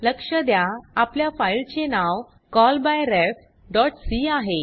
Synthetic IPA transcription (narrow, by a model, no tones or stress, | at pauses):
ləkʂəd̪jaapljafajlt͡ɕenaw | kɔlbajɾɛf | ɖɔʈsiaɦe